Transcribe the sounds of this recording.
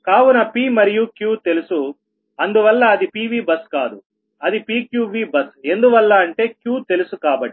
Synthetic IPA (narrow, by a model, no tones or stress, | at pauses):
kaːʋunɐpiːmɐɾijukjuːt̪e̞lusu | ɐnd̪uʋɐlːɐːd̪ipiːʋiːbɐskaːd̪u | ɐd̪ipiːkjuːʋiːbɐse̞nd̪uʋɐlːaːɳʈe̞ːkjuːt̪e̞lusukaːbɐʈːi